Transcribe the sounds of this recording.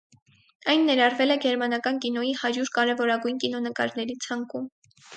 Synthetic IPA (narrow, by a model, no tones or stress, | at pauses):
ɑjnːɛɾɑrvɛlɛɡɛɾmɑnɑkɑnkinɔjihɑɾjuɾkɑɾɛvɔɾɑɡujnkinɔnəkɑ̰ɾnɛɾit͡sʰɑŋkum